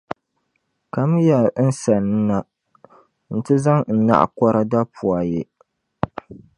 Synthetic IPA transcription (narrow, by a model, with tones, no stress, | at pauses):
ka˨m˦ja˨˦n˦sa˨nɨ˦na˨ | n̩˨tɨ˦za˦ŋn̩˨˦na̰˦ʔa̰˨kɔ˦ɾa˦da˦pʰʊ˨a˨je˦